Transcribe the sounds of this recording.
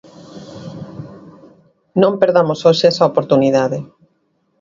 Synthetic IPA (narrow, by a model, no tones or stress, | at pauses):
nõmpeɾðamosoʃeɛsɐopoɾt̪uniðaðɪ